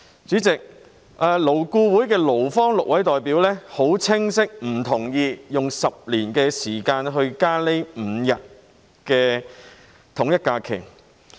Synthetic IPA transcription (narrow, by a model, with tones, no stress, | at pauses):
t͡syː˨˥t͡sɪ˨k̚ | ʔɐː˨˩lo˨˩wkuː˧wuː˨˥jkɛː˧lo˨˩wfɔː˥ŋlʊ˨k̚wɐ˨˥jt̪ɔː˨jpiː˨˥wlɛː˥ho˨˥wt͡sʰɪ˥ŋsɪ˥k̚m̩˨˩t̪ʰʊ˨˩ŋjiː˧jʊ˨ŋsɐ˨p̚liː˨˩nkɛː˧siː˨˩kaː˧nɦɵ˧ɥkaː˥le˨˥jm̩˨˧jɐ˨t̚ | kɛː˧ | t̪ʰʊ˨˩ŋjɐ˥t̚kaː˧kʰɪ̰˨˩ŋ